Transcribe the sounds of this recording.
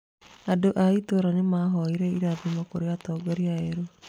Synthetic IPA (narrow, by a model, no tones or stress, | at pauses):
adoʔait̪uɾanimaɦoiɾeiɾabimɔkuɾiat̪oɡaɾiaeɾu